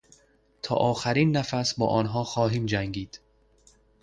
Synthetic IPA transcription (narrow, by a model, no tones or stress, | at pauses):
t̪ʰɒ̰ːʔɒːxæɾiːnːæfæsbɒ̰ːʔɒːnɦɒːxɒːɦiːmd͡ʒæŋɡiːd̪̥